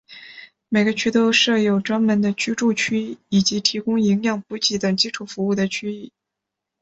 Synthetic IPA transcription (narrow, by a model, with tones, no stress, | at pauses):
me˨˩ɪɡə˦t͡ɕʰy˥t̪o˥ʊʂɤ˥˩jo˨˩ʊʈ͡ʂwa˥nmə˧˥nd̪ə˧t͡ɕʰy˥ʈ͡ʂu˥˧t͡ɕʰy˥˩i˨˩t͡ɕi˧˥t̪ʰi˧˥kʊ˥ŋi˧˥ŋjɑ˥˩ŋpu˧˥t͡ɕi˧˥t̪ɤ˨˩ŋt͡ɕi˥ʈ͡ʂʰu˨˩fu˧˥u˥˩d̪ə˩t͡ɕʰy˥i˥˩